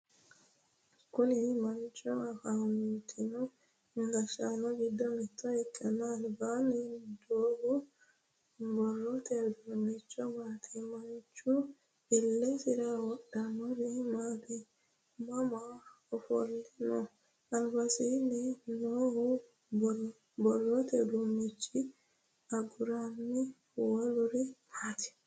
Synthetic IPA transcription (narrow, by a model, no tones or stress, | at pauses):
kʊnɪmɐnt͡ʃʼːɔɐfamit̪ʰːɪnɔ | ŋɡɐʃaːnɔɡɪd̪ːɔmɛt̪ʰːɔɛkʼːɐnalbaːnːɪd̪oːɡʊ | bɔlːɔt̪eːd̪ɾɔnːɛt͡ʃːɔmaːt̪ʰimɐnt͡ʃʼʊ | ɪlːɛsɪɾawɔɗɐmɔɾɪmaːt̪i | mɐma | ɔfɔ̰lːɪnɔ | ɐlbɐsiːnɪnoːhʊ | bɔlːɔt̪ɛd̪unɪt͡ʃːɪ | ɐɡʊɾanːɪ | wɔlʊɾɪmaːt̪ɪ̥